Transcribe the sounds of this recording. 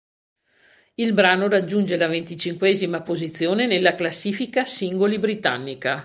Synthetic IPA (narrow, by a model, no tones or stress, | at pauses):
ilbɾaːnoɾad͡ʒːund͡ʒelavent̪it͡ʃiŋkwɛːzimapozit̪sːjoːnenelːaklasːiːfikasiŋɡolibɾit̪a̰nːika